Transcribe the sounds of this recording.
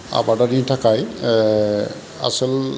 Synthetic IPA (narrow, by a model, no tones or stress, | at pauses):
a̰batadintʰakaj | a̰sɔl